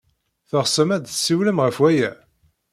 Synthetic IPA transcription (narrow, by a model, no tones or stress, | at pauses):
θəʁsəmæd̪θsːiwləmʁəfwæjæ